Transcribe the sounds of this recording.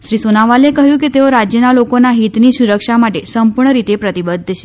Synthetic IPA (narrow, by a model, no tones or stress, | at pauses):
ʃɾisonaʋalekəɦjũket̪eoɾad͡ʒjənalokonaɦit̪nisuɾəkʃamaʈesəmpuɾɳəɾit̪epɾət̪ibəd̪ʱːt͡ʃʰe̥